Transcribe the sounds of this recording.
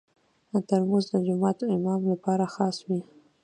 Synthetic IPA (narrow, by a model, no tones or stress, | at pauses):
ət̪aɾmuzd̪əd͡ʒʊmɑt̪ɪmɑmlapɑɾaxɑswi